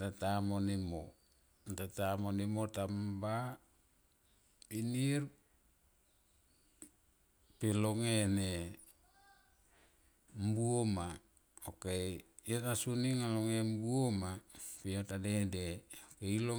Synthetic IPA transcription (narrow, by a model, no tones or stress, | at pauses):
tatamonimo | tatamonimotamba | piniɾ | peloŋene | mbuoma | oke | otasuniŋaloŋembuomapiotadedeokeilo